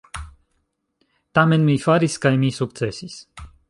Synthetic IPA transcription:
t̪amɛnmifaɾiskajmiːsukt̪sesʲis

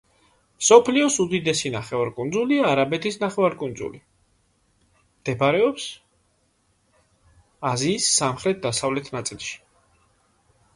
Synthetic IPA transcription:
msɔpʰliɔsud̪id̪ɛsinaχɛvaɾkʼund̪zuliaːɾabɛt̪ʰisnaχɛvaɾkʼund̪zṵli | md̪̥ɛbaɾɛɔps | aziːsːamχɾɛt̪̚d̪asavlɛt̪ʰnat̪sʼilˠʃi̥

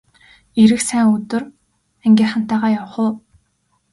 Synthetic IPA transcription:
iɾɘ̆xsæːŋɵt̪ɵ̆r | æŋɡʲeːχan̥t̪æːʁaːjawə̆χʊ̆ː

